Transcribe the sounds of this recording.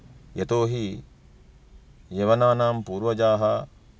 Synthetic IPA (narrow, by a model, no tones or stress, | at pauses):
jet̪oːɦi | jeʋɐnaːnaːmpuːɾʋɐd͡ʒaːɦɐ